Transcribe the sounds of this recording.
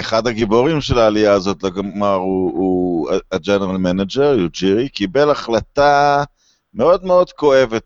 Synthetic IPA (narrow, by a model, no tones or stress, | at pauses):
eχad̪aɡibo̞ʁimʃe̞laːlijaːzo̞t̪loɡmaʁuuaad͡ʒeneʁalmenad͡ʒeʁjud͡ʒiʁikibe̞laχlat̪a | me̞o̞d̪me̞o̞d̪ko̞e̞vet̚